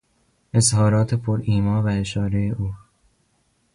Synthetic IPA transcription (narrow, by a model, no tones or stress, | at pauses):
ʔe̞zhɒːɾɒːt̪ʰepʰoɾiːmɒːvæeʃɒːɾejeʔuː